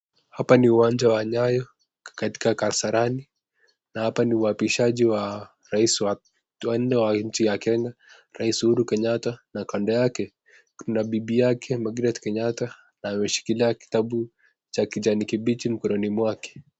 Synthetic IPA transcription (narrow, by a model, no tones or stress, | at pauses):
hapaniuwaɲd͡ʒawaɲajɔ | kati̥kakaɾsaɾani | nahapaniuapiʃaʄiwa | ɾaisw | wan̩nɛwaɲ̩t͡ʃijakɛŋɡa | ɾaisihuɾukɛɲatanakandɔjakɛ | knabibijakʰɛmaɡɾatkɛɲata | naːmɛʃi̥kiliaki̥taɓu | t͡ʃakid͡ʒanikiɓit͡ʃim̩kɔɾɔnimwakɛ̥